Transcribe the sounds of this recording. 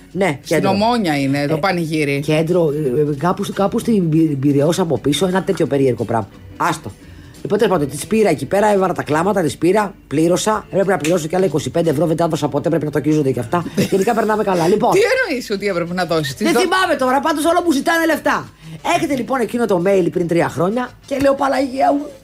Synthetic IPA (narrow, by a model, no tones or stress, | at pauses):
ne̞ced̪omoɲɐinet̪opɐnʝiɾicend̪ɾokɐpuskɐpust̪ibiðeosɐːpo̞piso̞enɐt̪e̞t̪ço̞pe̞ɾie̞ɾɣopɾɐ̰mɐ | ɐst̪o | lipot̪espɐd̪ot̪ispiɾɐecipe̞ɾɐevɐɾɐt̪ɐklɐmɐt̪ɐt̪ispiɾɐpliɾo̞sɐpɾepinɐpliɾo̞sucɐlɐiko̞sipend̪evɾoveɐðosɐpot̪e̞pɾepinɐt̪ocizond̪ecɐft̪ɐʝenikɐpeɾnɐme̞kɐlɐliponienoisiot̪iepɾepenɐðosi̥st̪izeθimɐmet̪oɾɐpɐnd̪osolopuzit̪ɐne̞le̞ft̪ɐ | e̞çe̞t̪elipo̞ne̞cino̞t̪o̞me̞lipɾint̪ɾiɐxɾo̞ɲɐce̞le̞opɐlɐʝiɐmu